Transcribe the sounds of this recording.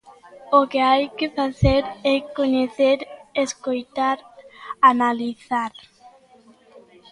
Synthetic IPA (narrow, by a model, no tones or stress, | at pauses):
okeajkefaθeɾɛkoɲeθeɾeskojt̪aɾanaliθaɾ